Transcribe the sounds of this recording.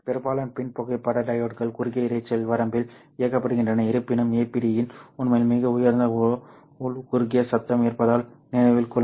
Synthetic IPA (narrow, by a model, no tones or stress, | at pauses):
pɛɾɯbaːlɐmpɪnpɔɣɐɪpːɐɽɐɖɐjoːʈkɐɭkʊɾɣɪjɐɪɾɐɪt͡ʃːɐlʋɐɾɐmbɪl | ɪjɐkːɐpːɐɽɯɣɪndrɐnɐɪɾɯpːɪnɯmeːpːɪɽɪjɪnʊnmɐjlmɪɣɐʊjɐɾnd̪ɐ | ʊlkʊɾɣɪjɐsɐt̪ːɐmeːɐɾpɐðaːlnɪnɐʋɪlkɔ